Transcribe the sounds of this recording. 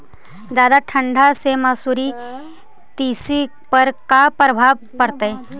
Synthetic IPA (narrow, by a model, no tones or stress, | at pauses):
d͡ʒaːd̪aʈʰə̃ɳɖʱasemasuːɾi | t̪iːsi | pəɾkapɾəbʱaːʋ | pəɾt̪ae